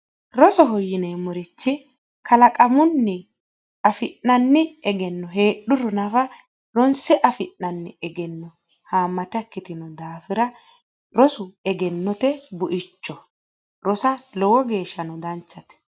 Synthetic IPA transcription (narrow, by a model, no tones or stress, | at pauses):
ɾɔsɔɦɔjːɪneːmɔɾɪt͡ʃːɪ | kɐlɐkʼɐmʊnːɪ | ɐfɪʔːɐnːɪɛɡɛnːɔɦe̞ːɗːʊɾɔnɐfɐ | ɾɔnsɛʔɐfɪʔːɐnːɪɛɡɛnːɔ | haːmːɐt̪ɛɐkːɪt̪ɪnɔd̪aːfɪɾɐ | ɾɔsʊɛɡɛnːɔt̪ɛbʊʔɪt͡ʃːɔ | ɾɔsɐlɔwɔɡe̞ːʃːɐnɔd̪ɐnt͡ʃːɐt̪ɛ̥